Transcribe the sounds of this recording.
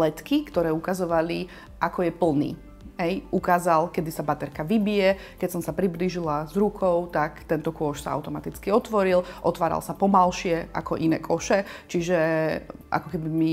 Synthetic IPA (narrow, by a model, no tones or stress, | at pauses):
lɛt̪kikt̪ɔɾɛːukazɔʋali | ʔakɔjɛpl̩nḭː | ɦɛjukaːzalkɛd̪isabat̪ɛɾkaʋibijɛ | kɛsɔmsapɾibliːʒilazɾukʰɔʊt̪akt̪ɛnt̪ɔkʊɔʃsa̰a̰ʊt̪ɔmat̪it͡skiɔt̪ʋɔɾilʔɔt̪ʋaːɾa̰lsapɔmalʃɪɛʔa̰kɔʔinɛ̰ːkʰɔʃɛt͡ʃiʒɛʔa̰kɔkɛbimi